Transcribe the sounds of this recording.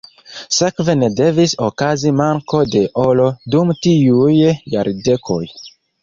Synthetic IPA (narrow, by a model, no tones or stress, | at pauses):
se̞kve̞ne̞de̞viso̞kazimaŋko̞de̞ʔolo̞dumtiujja̰ɾde̞kʰo̞j